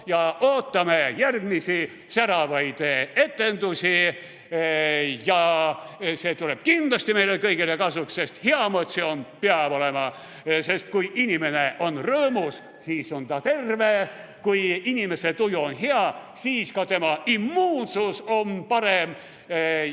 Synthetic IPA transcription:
jɑʔo̞ːt̪ːɑmejærɡ̥misi | sæɾɑvɑjd̪̥ee̞t̪ːˑe̞nd̪usʲi | jɑ | se̞ːt̪uleb̥̚kind̥̪lɑsʲt̪imejlekɤjɡ̥ilekɑsuksːe̞st̪heɑmot̪sionpeɑb̥o̞lemɑ | se̞st̪̚kujʔinʲime̞ne̞ʔo̞nrɤːmus | siːso̞nt̪ɑt̪e̞rvekujinʲime̞set̪ujuonɦeɑsiːskɑt̪e̞mɑʔimːuːnsuso̞npɑɾem

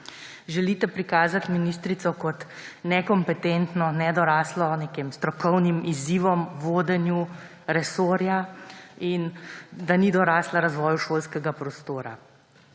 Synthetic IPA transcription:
ʒɛlit̪ɛpɾikaːzat̪minist̪ɾit̪sɔkɔt̪nɛkɔmpɛt̪ent̪nɔnɛd̪ɔɾaːslɔnekemst̪ɾɔkɔwnimiziːʋɔmʋoːd̪ɛnju | ɾɛsoːɾjaind̪anid̪ɔɾaːslaɾazʋɔːjuʃoːlskɛɡapɾɔst̪oːɾa̰

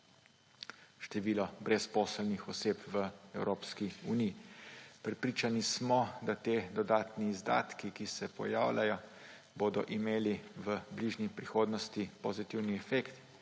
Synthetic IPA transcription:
ʃt̪ɛʋiːlɔbɾɛspɔːsəlnixɔseːpʋəɛwɾoːpskiuniːpɾɛpɾiːt͡ʃanismɔd̪at̪eːd̪ɔd̪aːt̪niːzd̪a̰ːt̪kikisɛpɔ̰ja̰ːwlʲajɔ | boːd̪ɔ̰ʔimeːliʋəbliːʒnipɾixoːd̪nɔst̪ipozit̪iwniɛfekt̪

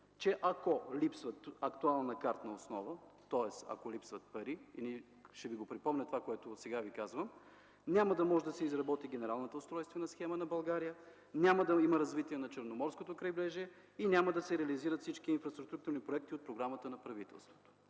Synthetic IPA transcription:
t͡ʃɛʔɐkolipsvət̪ɐkt̪ualˠnɐkaɾt̪nɐosnɔvət̪ɔɛsɐ̰kolipsvət̪̚pɐɾiḭni | ʃɛviɡopɾipɔmnɛt̪ovakoɛt̪osɛɡavikazvəm | nʲaməd̪ɐmɔʒɛd̪ɐsɛizɾɐbɔt̪iɡʲɛnɛɾalˠnot̪əʊst̪ɾɔjst̪vɐnɐsxɛmənɐbɐlˠɡaɾijə | nʲaməd̪ɐimɐɾɐzvit̪iɛnɐt͡ʃəɾnomɔɾskot̪okɾɐjblɛʒiɛ | inʲaməd̪ɐsɛɾɛɐliziɾət̪fsit͡ʃk̟iːnfɾɐst̪ɾuk̚t̪uk̚t̪uɾnipɾoɛk̚t̪iot̪pɾoɡɾamət̪ənɐpɾɐvit̪ɛ̰lˠst̪vo̥t̪o̥

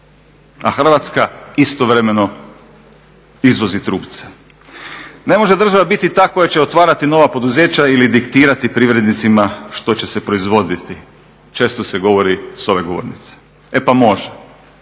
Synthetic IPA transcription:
a̰xr̩ʋat̪skaist̪oʋɾe̞me̞no̞ | izʋo̞zit̪ɾuːpt̪se̥ | ne̞mo̞ʒed̪ɾr̩ʒaʋabit̪it̪aːko̞jat͡ɕe̞ot̪ʋaːɾat̪ino̞ʋapo̞d̪uze̞ːt͡ɕailid̪ikt̪iːɾat̪ipɾiʋɾe̞d̪nit̪simaʃt̪o̞t͡ɕe̞se̞pɾo̞izʋo̞d̪it̪i | t͡ʃe̞ːst̪oseɡo̞ʋo̞ɾiso̞ʋe̞ɡo̞ʋo̰ɾnit̪se̥ | epamo̞ʒe

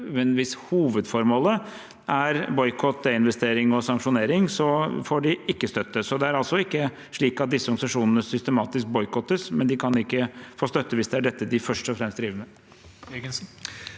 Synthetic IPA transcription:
mɛnʋɪshuːʋəd̪fɔɾmoːlə | ʔæɾbɔʏkʰɔt̪̚ːd̪ɛɪnʋɛst̪eːɾɪŋɔsɑŋkʂʊneːɾɪŋsɔfɔɖɪʔɪkːəst̪œt̪ːəsɔd̪ɛæɾɑlsɔɪkːə | ʂɭiːkɑt̪̚d̪ɪsːəɔɾɡɑsɑʂuːnənəsʏst̪əmɑːt̪ɪsk̚bɔʏkʰɔt̪ːəsmɛnd̪ɪkʰɑnɪkːəfoːst̪œt̪ːəʋɪsd̪ɛæɖɛt̪ːəd̪ɪfœʂʈɔfɾɛmst̪d̪ɾiːʋəmɛ | ɡənsn̩

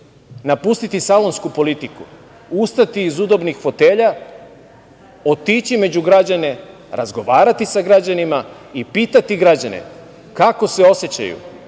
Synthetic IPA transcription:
napust̪it̪isalo̞nskupo̞lit̪iku | ust̪at̪iːzud̪o̞bnixfo̞t̪e̞ːʎa | ot̪iːt͡ɕime̞d͡ʑuɡɾad͡ʑane̞ | ɾa̰zɡo̞ʋaːɾat̪isaɡɾad͡ʑanima | ipiːt̪at̪iɡɾad͡ʑanḛ | kako̞se̞o̞set͡ɕa̰jṵ

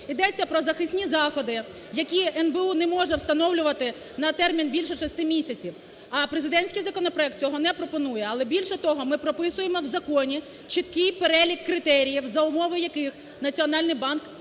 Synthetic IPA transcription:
id̪ɛt͡sʲːɐpɾɔzɐxɪsʲnʲizɑxɔd̪ɪ | jɐkʲiɛnbeunɛmɔʒɛwst̪ɐnɔwlʲʊʋɐt̪ɪ | nɐt̪ɛrmʲinbʲilʲʃɛʃɔsʲt̪ɪmʲisʲɐt͡sʲiw | ɐpɾezɪd̪ɛnʲsʲkijzɐkɔnɔpɾɔɛk̚t̪̚t͡sʲɔɦɔnɛpɾɔpɔnujɛɐlˠɛbʲilʲʃɛt̪ɔɦɔmɪpɾɔpɪsʊjemɔwzɐkɔnʲi | t͡ʃɪt̪kɪjpeɾɛlʲikːɾɪt̪ɛɾʲijiwzɐʊmɔʋɪjɐkɪx | nɐt͡sʲiɔn̪ɑlʲnɪjbɑnk

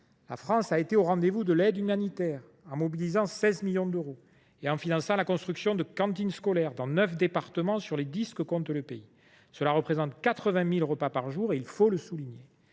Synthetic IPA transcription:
la̰fχɑ̃saet̪eoʁɑ̃d̪evud̪əlɛd̪ymanit̪ɛʁ | ɑ̃mɔbilizɑ̃sɛzmiljɔ̃d̪øʁo | eɑ̃finɑ̃sɑ̃lakɔ̃st̪χyksjɔ̃d̪əkɑ̃t̪inskɔlɛʁd̪ɑ̃nœfd̪epaʁt̪əmɑ̃syʁled̪iskəkɔ̃t̪ləpei | səlaʁəpχezɑ̃t̪kat̪χəvɛ̃milʁəpapaʁʒuʁeilfoləsuliɲe

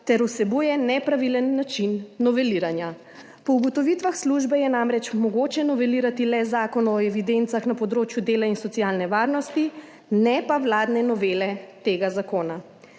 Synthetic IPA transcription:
t̪ɛɾusɛbujɛnɛpɾaʋilənːat͡ʃinːɔʋɛliɾanja | pɔuɡɔt̪ɔʋit̪ʋaxsluʒbɛjɛnamɾɛt͡ʃmɔɡoːt͡ʃɛnɔʋɛliːɾat̪ilɛzaːkɔnɔɛʋid̪ent̪saxnapɔd̪ɾoːt͡ʃjud̪eːlainsɔt̪sijaːlnɛʋaːɾnɔst̪i | nɛpaʋlaːd̪nɛnɔʋelɛt̪eːɡazakoːna

